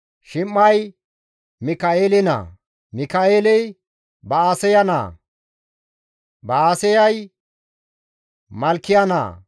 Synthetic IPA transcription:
ʃɪmːɐj | mɪkaeːlɪna̰ː | mɪkaeːlɛj | bɐaːsɛjɐna̰ː | bɐaːsɛjɐj | mɐlkːɪjɐna̰ː

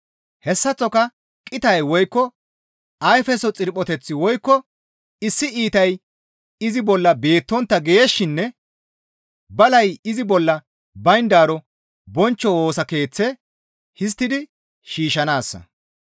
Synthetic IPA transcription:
hɛsːɐt͡sːɔkɐ | kʼɪt̪ɐjwɔjkːɔ | ɐjfɛsɔt͡sʼɪɾpʼːɔt̪ɛt͡sːɪwɔjkːɔ | ɪsːɪiːt̪ɐj | ɪzɪbɔlːɐbe̞ːt̪ːɔnt̪ːɐɡejeʃːɪnːɛ | bɐlɐjɪzɪbɔlːɐ | bɐjnd̪aːɾɔ | bɔnt͡ʃːɔwoːsɐke̞ːt͡sːɛ | hɪs̬t̪ːɪd̪ɪ | ʃiːʃɐnaːsːɐ̰

